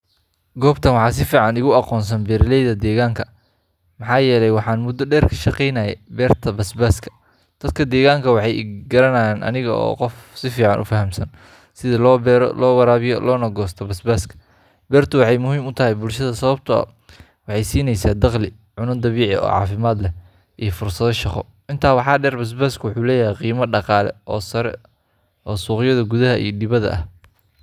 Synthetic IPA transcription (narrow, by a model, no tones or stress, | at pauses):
ɡɔːbt̪ʰɐnwɑħɑːs̬ɪfiːʕɑnɪɣʊɑqɔːns̬ɐnbɛːɾɪlɛjðɐd̪ɛːɣaːŋkʰɐ | mɑħɑːjɛːlɛjwɑħɑːnmʊd̪ɔɖɛːrkʰɐ̥ʃɑqɛjnaːjɛbɛːrt̪ʰɐbɐsbaːskʰɐ̥ | d̪̥ɐd̪̚kʰɐd̪ɛːɣaːŋkʰɐwɑħɑjɡɐɾɐnaːjaːnʔɐ̰nɪɣɐɔ̰ːqɔfsɪfiːʕɑnʔʊ̰fɐɦɐmsɐn | sɪðɐlɾ̰lɔːwɐɾaːβɪjɔ̰lɔːnɐɡɔːst̪ʰɐbɐsbaːskʰɐ̥ | bɛːrt̪ʰʊwɑħɑjmʊɦiːmʊt̪ʰɐɦɛjbʊlʃɐðɐsɐβɐbt̪ʰʊɐ̰ | wɑħɑjsiːnɛjsaːd̪ɑqlɪ | ʕʊnɐnd̪ɐβiːʕɪ̰ɔ̰ːʕɑ̰ːfɪmaːd̪lɛ | ʔijɞfʊrsɐðɔʃɑqɔ̰ | ʔɪnt̪ʰaːwɑħɑːɖɛːrbɐs̬baːskʰɐwʊħuːlɛːjɐɦɛjqiːmɐɖɑqɑːlɛ̰ʔɔːsɐɾɛ̰ | ʔɔːsuːqjɐðɐɡʊðɐɦɐʔḭːɔdɪβɐðɐ̰ʔɐh